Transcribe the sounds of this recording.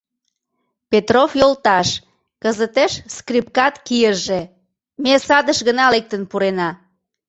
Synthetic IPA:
pet̪rofjolt̪ɑʃ | kəzət̪eʃskrip̚kɑt̪kijəʒe | mesɑd̪əʃɣənɑlek̚t̪ənpuɾenɑ

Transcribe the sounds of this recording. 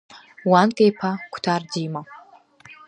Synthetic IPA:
wankʼejpʰakʷʰtʰaːrdima

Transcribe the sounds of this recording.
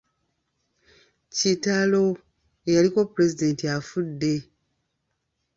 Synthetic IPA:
citalo̞ | ejaliko̞puɾe̞zide̞ntiafudːe̞

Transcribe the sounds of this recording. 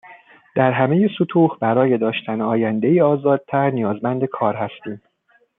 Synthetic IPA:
d̪̥æɾɦæmejesut̪ʰuːhbæɾɒːje̞d̪ɒːʃt̪ʰænɒːjænd̪e̞jiːɒːzɒːd̪̥̚t̪ʰæɾnijɒːzmænd̪e̞kʰɒːɾɦæst̪iːm

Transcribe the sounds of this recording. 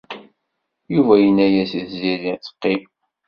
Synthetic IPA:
juvæjənːæjæsiθziðit͡sːə̥qːi

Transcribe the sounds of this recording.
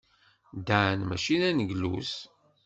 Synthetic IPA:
d̪əʕnmæ̰ʃinænəɡlṵs

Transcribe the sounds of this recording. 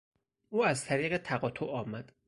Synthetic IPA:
uːæzt̪ʰæɾiːɣet̪ʰæɣɒːt̪ʰoʔɒːmæd̪̥

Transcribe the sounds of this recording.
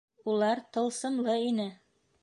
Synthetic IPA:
ulˠɑɾt̪ɤ̆lˠsɤ̆nlˠɤinɘ

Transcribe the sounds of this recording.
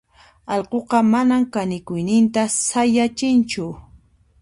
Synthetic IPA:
ɑʎqoqɑmanamkanɪkʊjnɪnt̪asajat͡ʃɪnt͡ʃʊ

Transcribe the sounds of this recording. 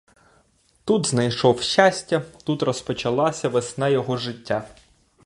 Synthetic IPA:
t̪ud̪znɐjʃɔwʃasʲtʲɐt̪ut̪rɔspɔt͡ʃɐlˠɑsʲɐʋesnajɔɦɔʒɪtʲːa

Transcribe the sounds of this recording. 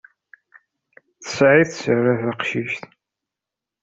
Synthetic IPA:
θə̥sʕiθsəɾəθaqʃiʃt̪

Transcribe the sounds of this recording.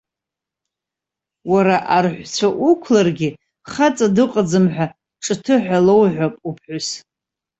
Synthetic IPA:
waɾaʔarħʷt͡ɕʷʰaʔukʷʰlarɡʲɪ | χat͡sʼadɨqʼad͡zɨmħᶣʷa | ʈ͡ʂʼɨtʰɨħʷalowʕʷᶣapʼupʰħʷʊs

